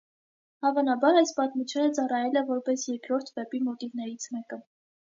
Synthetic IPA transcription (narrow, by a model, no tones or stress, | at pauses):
hɑvɑnɑbɑɾɑjspɑt̪mut͡ʃʰjunət͡sɑrɑjɛlɛvɔɾpɛsjɛɾkɾɔɾt̪ʰvɛpimɔt̪ivnɛɾit͡sʰmɛkə